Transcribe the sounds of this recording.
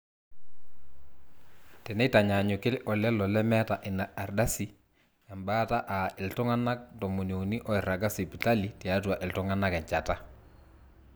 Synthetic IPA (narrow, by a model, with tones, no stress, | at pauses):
tɛ˨nɛ˦ta˨ɲa˨ɲʊ˨kɪ˦lʔɔ˨lɛ˦lɔ˨lɛ˦mɛ˦ta˨ʔɪ˨naː˨rda˦si˨ | ɛ˨mba˦ta˦ʔa˨ɪ˨ltʊ˦ŋa˦na˦k̚tɔ˨mo˨njo˨ni˦ʔɔ˦ɪ˨ɾa˨ɡa˦si˨pi˨ta˦li˨te˨a˦twa˨ʔɪ˨ltʊ˦ŋa˦na˦kɛ˨ɲt͡ʃa˨ta˦